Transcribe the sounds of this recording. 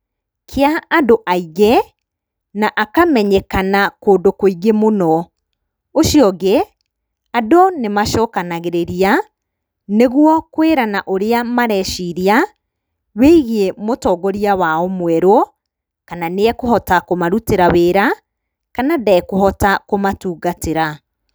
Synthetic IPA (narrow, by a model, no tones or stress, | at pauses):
kʰeaːdoʔaiɣɛ | naʔakamɛɲɛkanakoːndokoiɡemonɔ | oʃiɔɣe | adɔnemaʃɔkanaɣeɾeɾia | neɣwɔkweɾanaʔoɾeamaɾɛʃiɾia | weiɣemotɔːɡɔɾiawaɔmwɛɾo | kananeɛkohɔtakomaɾuteɾaweːɾa | kanadaɛkoɦɔtakomatuːɡateɾa